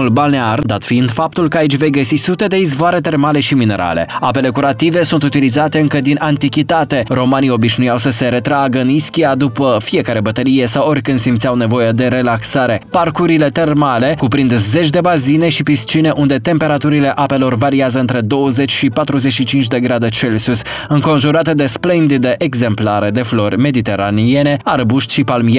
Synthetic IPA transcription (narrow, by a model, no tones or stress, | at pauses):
ulbalneard̪at̪fiind̪fap̚t̪ulkəait͡ʃʲve̞jɡəsisut̪e̞d̪e̞izvoaɾe̞t̪e̞rmale̞ʃimine̞̰ɾʔa̰le̞̰a̰pe̞le̞kuɾat̪ive̞sunt̪ut̪ilizat̪e̞ɨŋkəd̪inant̪ikʲit̪at̪e̞ɾo̞manio̞biʃnujawsəse̞ɾe̞t̪ɾaɡəɨniskʲiad̪upəfie̞kaɾe̞bət̪əlije̞saworʲkɨnd̪simt̪sʲawne̞vo̞jed̪e̞ɾe̞laksaɾe̞parkuɾile̞t̪e̞rmale̞kupɾind̪ze̞t͡ʃʲd̪e̞bazineʃipist͡ʃine̞ʔund̪e̞t̪e̞mpe̞ɾat̪uɾile̞ʔape̞lo̞rvaɾiazəɨnt̪ɾe̞d̪o̞wəze̞t͡ʃʲʃipat̪ɾuze̞t͡ʃʃit͡ʃint͡ʃʲd̪e̞ɡɾad̪e̞t͡ʃe̞lsusʲ | ɨŋko̞nʒuɾat̪ed̪e̞splend̪id̪eʔeɡze̞mplaɾe̞d̪e̞flo̞rʲme̞d̪it̪e̞ɾanie̞ne̞arbuʃt̪ʲʃipalmie